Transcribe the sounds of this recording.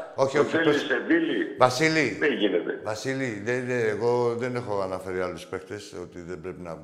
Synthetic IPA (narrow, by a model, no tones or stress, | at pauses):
o̞çioçieloised̪ilivɐsiliðeʝinet̪evɐsiliðeeːɣo̞ðe̞ne̞xo̞ɐnɐfe̞ɾialuspe̞kt̪eso̞t̪iðebɾepinɐ